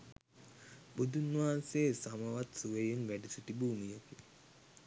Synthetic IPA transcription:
bud̪unːʋaanseːsaməʋat̪suʋejenʋæɖisuʈibuːmijəki

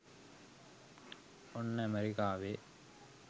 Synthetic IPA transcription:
onːəɐmeɾikaːʋe

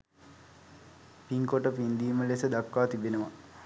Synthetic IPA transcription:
piŋkoʈəpind̪iːməlesəd̪akːaːt̪ibenəʋa

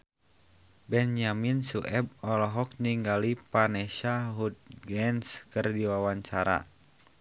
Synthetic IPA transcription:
bɛnjaminsuʔɛb̚ɔlɔɦɔk̚niŋɡalipanɛʃaɦud̪̚ɡɛnskɨrdiwawaɲt͡ʃaɾa̰

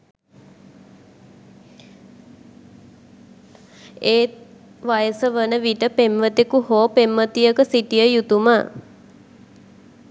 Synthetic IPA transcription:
eː | ʋajəsəʋənəʋiʈəpemʋət̪ekuɦoːpemʋət̪ijəkəsiʈijəjut̪umə

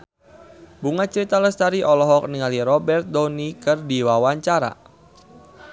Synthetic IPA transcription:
buŋat͡ʃəɾit̪aləst̪aɾiʔɔlɔɦɔk̚niŋaliɾɔbɛrt̪̚dɔnikɨrdiwawaɲt͡ʃaɾa̰

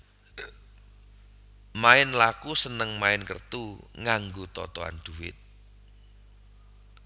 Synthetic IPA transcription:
maɪnlakusənəŋmaɪnkərt̪uŋaŋɡot̪ɔ̰t̪ɔa̰nd̪̥uwɪ̰t̪̚

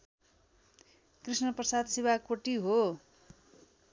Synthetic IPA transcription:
krisnʌprʌsad̪sibakoʈiɦo

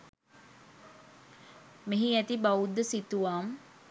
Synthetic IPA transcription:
miɦiæt̪ibaud̪ːəsit̪uʋaːm

